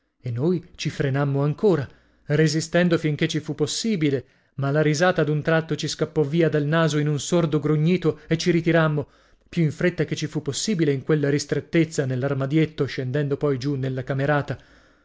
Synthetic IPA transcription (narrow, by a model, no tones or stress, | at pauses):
enːojt͡ʃifɾenamːoaŋkoːɾa | rezist̪ɛnd̪ofiŋk̟et͡ʃːifupːosːiːbile | malaɾizaːt̪ad̪unt̪ɾat̪ːot͡ʃiskapːɔviːad̪alnaːzoinunsord̪oɡɾuɲːiːt̪oet͡ʃːiɾit̪iɾamːo | pjuiɱfɾet̪ːaket͡ʃːifupːosːiːbileiŋkwelːaɾist̪ɾet̪ːet̪sːanelːarmad̪jet̪ːoʃend̪ɛnd̪opɔjd͡ʒunelːakameɾaːt̪a